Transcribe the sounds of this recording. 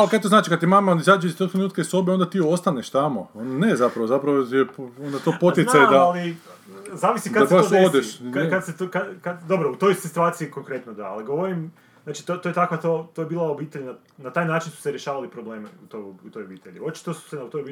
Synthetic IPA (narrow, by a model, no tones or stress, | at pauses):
alkat̪oznaːt͡ʃikad̪t̪imamaond̪aizaːd͡ʒeist̪okt̪ɾenuːt̪kaiso̞beo̞nd̪at̪iːo̞st̪aneʃt̪amoonnezapɾaʋozapɾaʋojepond̪at̪o̞pot̪jesajed̪aali | zaːʋisikad̪aeaood̪eʃakad̪set̪okakad̪o̞bɾout̪o̞jsit̪uaːt̪siiko̞ŋkɾe̞t̪nod̪aaliɡoʋoɾim | aːt͡ʃi̥t̪ot̪ojet̪akʋat̪ot̪ojebiːlˠaobiːt̪eʎna | nat̪aːjnaːt͡ʃinsu̥seɾʲjeʃaːʋalipɾo̞bleːmeut̪ojout̪o̞jobiːt̪eʎio̞t͡ʃi̥t̪osu̥senut̪ojbi